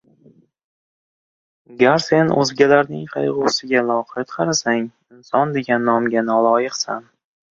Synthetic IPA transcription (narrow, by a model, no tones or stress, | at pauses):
aɡʲaɾse̞nɵ̰zɡʲalaɾnɪŋqʰɑjʁʊːsɪɡʲalˠɒqʰat̪qʰɑɾasaŋ | ɪnsɒnd̪e̞ɡʲanːɒmɡʲanɒlˠɒjɨqsan